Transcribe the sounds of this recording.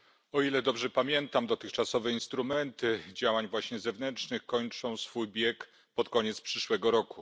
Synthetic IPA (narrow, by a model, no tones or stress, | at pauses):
ɔilɛd̪ɔbʐɛpamʲjɛnt̪amd̪ɔt̪ɘxt͡ʂasɔvɛinst̪ɾumɛnt̪ɘd͡ʑawaɲvwaɕɲɛzɛvnɛnt͡ʂnɘxkɔɲt͡ʂɔ̃w̃sfujbʲjɛk | pɔt̪kɔɲɛt̪spʂɘʂwɛɡɔɾɔku